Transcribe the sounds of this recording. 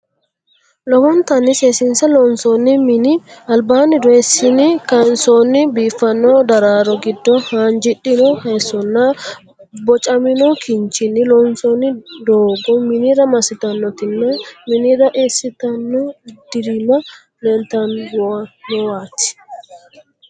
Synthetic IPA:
lɔbɔnt̪ɐnːɪsesɪnsɐlɔnsɔnːɪmɪnɪɐlbaːnːɪd̪ɔesːɪnɪkɐnsonːɪbiːfːɐnːɔd̪ɐɾaːɾɔɡɪd̪ːɔhaːnd͡ʒɪɗɪnɔhɐsːɔnːɐ | bɔt͡ʃʼɐmɪnɔkʰɪnt͡ʃɪnɪlɔnsonːɪd̪oːɡɔmɪniɾɐmɐsɪt̪ɐnːɔt̪ɪnːɐmɪnɪɾɐʔesːɪt̪ɐnːɔd̪̥ɪɾɪnɐ | lent̪ɐnɡʊɐnːɔwaːt̪ːɪ̥

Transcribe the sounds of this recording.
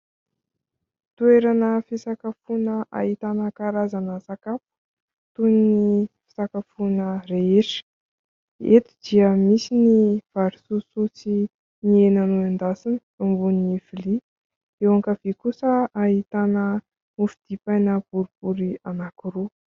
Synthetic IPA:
t̪ueɾanəfisakafunəʔa̰ɦit̪anəkaɾazanəsakapu̥ | t̪uninifi̥sakafunəreeʈ͡ʂə̥ | et̪i̥d̪̥iəmisiniv̥aɾisusut͡si | nienanuand̪asinə̥ | umbuniniv̥ili | ewaŋkəvekusəaɦit̪anə | ufid̪̥ipajnəb̥uɾib̥uɾianakiɾu

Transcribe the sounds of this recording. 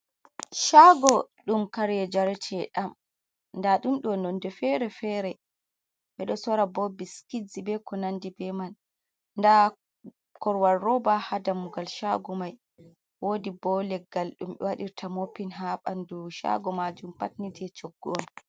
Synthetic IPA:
ʃaɡɔɗumkaɾɛd͡ʒaɾɛtʰɛɗam | ndaɗumɗɔnɔndɛfɛɾɛfɛɾɛ | ɓɛɗɔsɔɾabɔbiskizibɛkɔnandibɛman | nda | kɔɾwaːɔbahadamuɡalʃaɡɔmaj | woːdibɔlɛɡːalɗumɓɛ̰waɗiɾtʰamopːinɦaɓanduʃa̰ɡɔmad͡ʒumpatnitʰɛt͡ʃoɡːɔɔn

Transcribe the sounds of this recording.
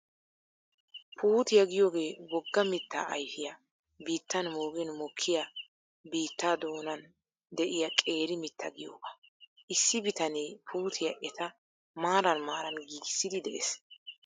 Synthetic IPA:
pʰuːt̪ɪjɐɡɪjo̞ːɡe̞ːwɔɡːɐmɪt̪ːa̰ʔɐjfɪjɐ | biːt̪ːɐnmoːɡɛnmɔkʰːɪjɐ | biːt̪ːaːd̪oːnɐn | d̪ɛʔɪjɐkʼe̞ːɾɪmɪt̪ʰːɐɡɪjo̰ːɡɐʔɪsːɪbɪt̪ɐneːpʰuːt̪ʰɪjɐʔɛt̪ɐ | maːɾɐnmaːɾɐnɡiːɡɪsːɪd̪ɪd̪ɛʔes

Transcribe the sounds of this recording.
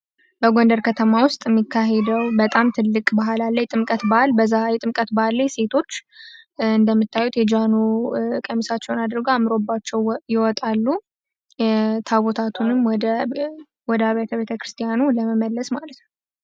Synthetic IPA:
bəɡo̞nd̪əɾkʰət̪ʰəmawʊst̪ʼɪmːikːaɦed̪əwbət̪ʼamt̪ʰɨlːɨkʼbaɦalalːəjt̪ʼɨmkʼət̪bahalbəzːajɛt̪ʼɨmkʼət̪bahalːajse̞t̪ʰo̞t͡ʃː | ɨnd̪əmːɨt̪ːajut̪jɛd͡ʒanukʼəmisat͡ʃːɛwnad̪ɾɡoamɨɾo̞bːat͡ʃːɛwjɪwɔt̪ʼalːu | t̪ʰaβot̪ʰat̪ʰunɨmːɔd̪ə | wɔd̪əaβet̪ʰəβet̪ʰəkɾɨst̪ʰʼijanuləməməlːəsmalət̪n

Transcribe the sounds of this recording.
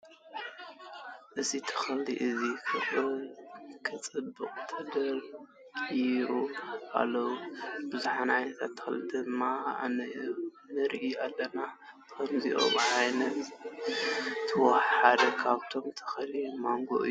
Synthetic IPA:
ʔɨzit̪ʰɐ̥xɐliʔɨzikʰɨo | kʰɨt͡sʼɨbːɨqʼt̪ʰɐd̪ɐl | uʔa̰lːɐwubɨzuħanajt̪ʰa̰t̪ʰːɐ̥xɨlid̪ɨmːaa̰nɐ | nɨɾiʔialːɐna | kʰɐmziʔo̰βʕajnɐt̪ | ɨwɐħħad̪ɐkʰaβt̪ʰo̞mt̪ʰɐ̥xɐlimaŋɡo̰ʔɨ̰jːu

